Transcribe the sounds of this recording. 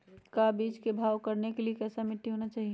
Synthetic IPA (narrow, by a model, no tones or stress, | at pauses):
kabiːt͡ʃkebʱaːʋkɐɾnekeliekɛːsamɪʈ̪ːiɦoːnat͡ʃaːɦi